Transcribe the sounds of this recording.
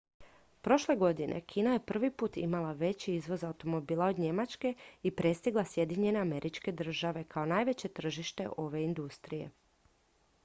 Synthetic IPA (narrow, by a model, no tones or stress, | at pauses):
pɾo̞ʃle̞ɡo̞d̪inʔḛkʰiːnaje̞pr̩ʋipuːt̪imalaʋe̞t͡ɕiizʋo̞zaut̪o̞mo̞biːlˠao̞d̪ɲe̞mat͡ʃke̞ipɾe̞st̪iɡlˠasje̞d̪iɲe̞ne̞ame̞ɾit͡ʃke̞d̪r̩ʒaʋe̞kʰao̞naːjʋe̞t͡ɕe̞t̪r̩ʒiʃt̪e̞̰ʔo̞ʋe̞ind̪ust̪ɾije̞̰